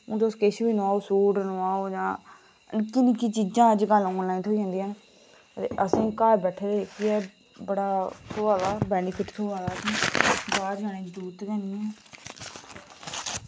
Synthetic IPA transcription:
ũːt̪oskeʃbiːnoaːoːsuːɖnoãːoːd͡ʒãː | ənkɪnikiːt͡ʃiːd͡ʒãːəd͡ʒɡəlɔːnlaːiːnt̪ʰoːid͡ʒãːnd̪iːɦən | ət̪ḛːʔəsĩːkaːɾbɛːʈʰeːɾeekʰiɛː | bəɽaːt̪ʰoːʋaːlaːbɛːnɪpʰɪʈt̪ʰoːʋaːlaːkĩːkkaːd͡ʒaːnẽːd͡ʒd̪uːɾt̪kɛ̃ːniːɛ̃ː

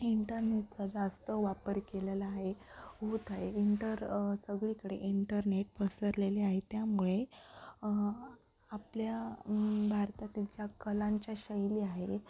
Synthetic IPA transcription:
iɳʈəɾneʈ̚t͡sad͡zast̪əʋapəɾkelelaːɦe | ɦot̪aɦeiɳʈəɾsəɡɭikəɽḛʔiɳʈəɾneʈpəsəɾleleaɦet̪jamuɭe | aplja | bʱaɾt̪at̪it͡ɕjakəlãɲt͡ɕjaɕəjliaɦe

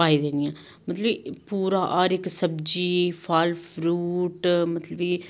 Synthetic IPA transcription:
aːid̪eːnijãː | mət̪ləbipuːɾaːʔɔːɾɪksəbd͡ʒiːfʰaːlfʰɾuːʈmət̪ləbiː

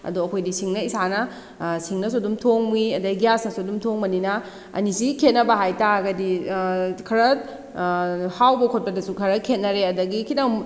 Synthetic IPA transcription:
ɐ̰duɐkʰojdisiŋnɐisanɐ | siŋnɐsodumtʰoŋmiɐdɐɡijasnɐsudumtʰoŋmɐninɐ | ɐ̰nisikʰet̚nɐbɐɦajtaɡɐdi | kʰɐɾɐ | hawbɐkʰot̚pɐdɐsukʰɐɾɐkʰːet̚nɐɾeɐdɐɡikʰidɐŋ

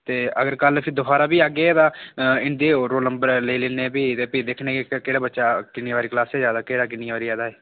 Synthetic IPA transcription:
t̪eːəɡəɾkəlpʰɪd̪ʊbʰaːɾaːbiːaːɡeːɛːt̪ãːɪnd̪eːɾoːləmbəɾleileːneːbiːt̪eːpəiːd̪eːkʰnẽːkekeːɽaːbətːʃaːkɪniʋaːɾiːklaːsɛːzjaːd̪aːkeːɽaːk̬ɪniaʋaːɾiːaːd̪aːɦeː

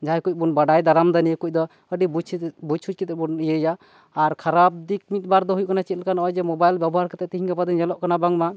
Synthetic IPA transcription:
d͡ʒaajkuc̚ˀbunbaɖajd̪aɾamd̪anijekuc̚d̪ɔ | əɖibut͡ʃʰbut͡ʃʰut͡ʃ̚kit̪ɛbunijəjaː | ɾkʰaɾab̚d̪ik̚mit̪̚baɾd̪ɔɦujuʔkanat͡ʃit̪̚lkanɔjd͡ʒɛmɔbajlbjabɔɦaɾkɛt̪ɛʔt̪iɦĩɲkapad̪iɲd͡ʒɛlɔʔkanabaŋma

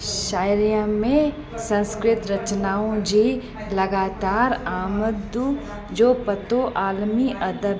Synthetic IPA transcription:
ʃaːɪɾijə̃mẽ | sɐ̃nskɾɪt̪ɾɐt͡ʃnaːõd͡ʒi | lɐɡaːt̪aːɾaːməd̪d̪u | d͡ʒoːpət̪oʔaːlmiʔɐd̪ə

